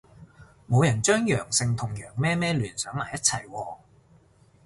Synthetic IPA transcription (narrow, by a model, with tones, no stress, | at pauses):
mo˨˧wjɐ˨˩nt͡ʃœː˥ŋjœː˨˩ŋsɪ˧ŋt̪ʰʊ˨˩ŋjœː˨˩ŋmɛː˥mɛː˥lyː˨˩nsœː˨˥ŋmaː˨˩jɐ˥t̚t͡sʰɐ˨˩jwɔː˧